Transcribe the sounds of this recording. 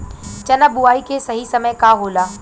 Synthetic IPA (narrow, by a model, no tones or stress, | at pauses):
t͡ʃɐnabʊaːikesɐɦisɐməjkaːɦoːlaː